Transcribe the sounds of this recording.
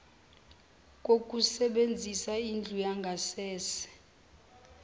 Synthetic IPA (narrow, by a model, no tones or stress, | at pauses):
k̬ʼok̬ʼusɛɓend͡zʱisaind͡ɮʱujaŋɡʱasɛːsɛ̥